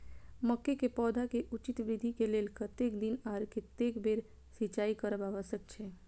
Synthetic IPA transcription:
məkːekepɔːd̪ʱakeʔut͡ʃɪt̪ʋɾɪd̪ʱikelelkət̪ekd̪inaɾket̪ekbeɾ | sit͡ʃaikəɾəbaʋəsək̚t͡ʃʰe

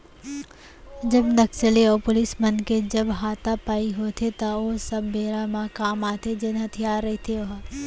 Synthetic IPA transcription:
d͡ʒəbnəksəleɔːpʊlɪsmənked͡ʒəbɦaːt̪apaːiɦot̪ʰet̪ɐosɐbːeːɾamakaːmaːt̪ʰed͡ʒɪnɦɐt̪ʰijaːɾːɐɦit̪ʰeoɦ

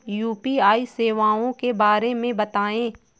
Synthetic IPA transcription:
juːpiaːiseːʋaːõkebaːɾemẽbɐt̪aːẽː

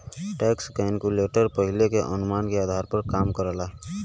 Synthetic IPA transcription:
ʈɛːkskaɪnkuleːʈəɾpəɦɪlekeʔənʊmaːnkeaːd̪ʱaːɾpəɾkaːmkəɾəlaː

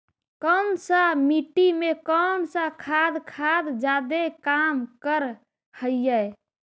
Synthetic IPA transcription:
kəmsəmiʈimekəmsəkʰad̪kʰad̪d͡ʒad̪ekamkəɾ | həjjəj

